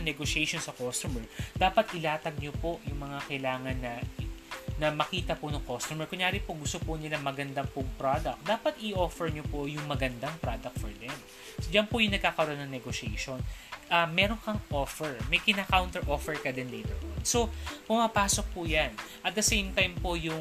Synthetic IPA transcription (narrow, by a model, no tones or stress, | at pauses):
ɐŋnɛɡoʃɛjʃonsɐkost̪ʊmɛɹd̪aːpɐt̪ʔɪlaːt̪ɐɡ̚ɲopo̞jʊŋmɐŋakɐʔlaːŋɐnːɐ | nɐmɐkiːt̪ɐpʊnɐŋkost̪ʊmɛɹkʊŋjaːɾɪpoɡʊst̪opʊnɪlamɐɡɐnd̪ɐmpʊŋpɾad̪ɐk̚t̪̚d̪aːpɐt̪ʔɪʔoːfɛɹɲopojʊŋmɐɡɐnd̪ɐŋpɾad̪ɐk̚t̪̚fɔɹd̪ɛm | d͡ʒɐnpʊjʊŋnɐɡ̚kaːkɐɾonːɐŋnɛɡoʃɛjʃonʔɐmːɛːɾonkɐŋʔoːfɛɹmɐjkɪnakawnt̪ɛɹʔoːfɛɹkɐd̪ɛnlɛjt̪ɛɹʔo̰nso̞pʊmaːpaːso̞k̚pʊjan | ʔɐt̪̚d̪ɐsejmt̪ajmpojʊŋ